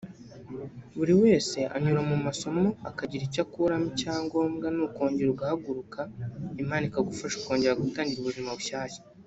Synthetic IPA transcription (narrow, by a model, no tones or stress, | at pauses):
βuɾiwe̞ːse̞ʔa̰ɲuɾamumaso̞mo̞akaɟiɾicakuɾamicaːŋɡo̞ːmɡanuko̞ːɲɟiɾuɡahaɡuɾukaimaːnikaɡufaʃu̥ko̞ːɲɟe̞ɾaɡutaːɲɟiɾuβuʒimaβuʃaːce̥